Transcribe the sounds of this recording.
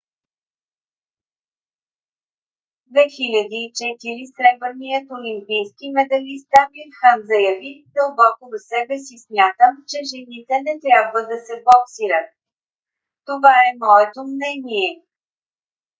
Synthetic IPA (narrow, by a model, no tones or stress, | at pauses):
d̪vɛxilʲəd̪iːt͡ʃɛt̪iɾisɾɛbvənijət̪olimpijskimɛd̪ɐlist̪amiɾxənzɐjɐvid̪̥əlˠbɔkozəsɛbɛsismʲjat̪əmt͡ʃɛʒɛnit̪ɛnɛt̪ɾʲabvəd̪ɐsɛboksiɾət̪̚ | t̪ovaɛmɔɛt̪omnɛniɛ